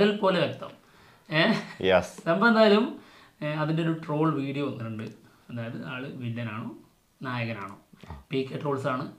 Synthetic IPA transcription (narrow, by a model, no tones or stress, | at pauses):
ilpo̞ːleʋek̚t̪ɐ̰m | jesembɐmend̪aːjɐlum | ɐðindeo̞ɾuʈro̞ːɭʋiːɽijoʋɐnːɨʈːuɳɖɨ | ɐðaːjɐðɨaːɭɨʋinːɐnaːɳoː | naːjɐɣɐna̰ːɳo̰ːpiːkːeʈro̞ːɭsaːɳɨ